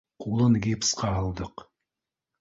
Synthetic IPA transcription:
qulˠɤnɡʲipsqɑɦɑlˠd̪ɤq

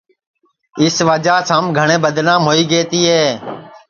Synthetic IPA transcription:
ɪsʋəd͡ʒaːsãːmɡʱəɳẽːbəd̪naːmɦoːiːɡeːt̪iːɦeː

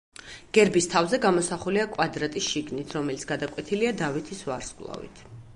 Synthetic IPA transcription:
ɡ̥ɛɾbist̪ʰavzɛɡamɔsaχuliakʼwad̪ɾat̪ʼisʃiɡnit̪ʰɾɔmɛlit̪sɡ̥ad̪akʼwɛt̪ʰiliad̪avit̪ʰisva̰ɾsɡlˠa̰vḭt̪ʰ

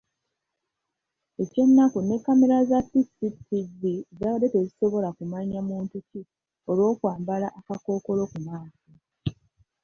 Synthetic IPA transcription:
e̞ce̞nːakune̞kːame̞ɾazasitsitivizaɾete̞ziso̞βo̞lakumaɲamuːntuci | o̞lwo̞ːkwaːmbalaʔːkako̞ːko̞lo̞kumaːsu

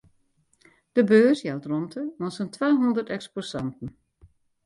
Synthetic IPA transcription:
d̥əbøːsjawtrɔntʰəʋɔnsəntʰʋaːɦundərtɛksposɑntən̩

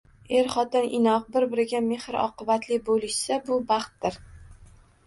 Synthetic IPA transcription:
e̞ɾχɒt̪ɪnʔɪ̰nɒq̚bɪɾbɪɾɪɡʲame̞hɾɒ̰qɨbat̪lɪbolɪʃsabʊbɑχt̪̚dɪɾ

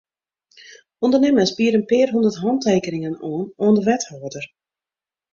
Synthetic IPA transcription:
undərnɪməsbiəɾənpɪːrɦundərtɦɔnteːkənɪŋənoːnoːəndəʋɛthoːədər

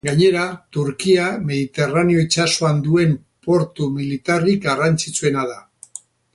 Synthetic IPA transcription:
ɡaɲe̞ɾat̪uɾkiame̞ðit̪e̞ranio̞it͡ʃaso̞and̪ue̞m | po̞ɾt̪umilit̪arikɡarant͡sit͡sue̞naða

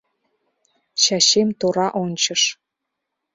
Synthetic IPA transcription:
ɕɑɕemt̪oɾɑʔonʲt͡ɕəʃ

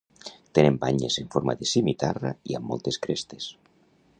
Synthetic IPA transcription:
t̪enembaɲezeɱfoɾma̰ðesimit̪araiamːo̰lˠt̪eskɾest̪es

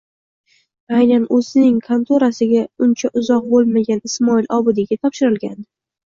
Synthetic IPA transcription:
ajnanɵzɪnɪŋkʰant̪ʰoɾasɪɡʲaʊnt͡ʃʰaʔʊzɒq̚bolˠmaɡʲanɪsmɒɪlʔɒbʊd̪ɪɡʲat̪ʰɒpʃɪɾɪlˠɡʲan

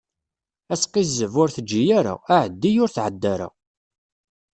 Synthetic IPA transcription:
æsqizəvʊɾθəd͡ʒːijaɾa̰aʕəd̪ːijʊɾθʕəd̪ːæɾa̰

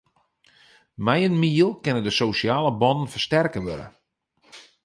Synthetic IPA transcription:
mɛjənmiəlˠkɪnədəsoːsjaːləbɔnənfərstɛrkəʋø̰ɾə̰

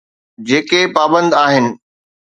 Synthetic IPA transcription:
d͡ʑeːkepaːbə̃nd̪aːɦɪnɪ̆

